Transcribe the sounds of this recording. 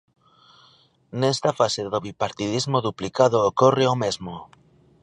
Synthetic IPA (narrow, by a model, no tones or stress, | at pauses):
nɛst̪afaseðoβipaɾt̪ið̞izmoðuplikaðoːkorɪomezmo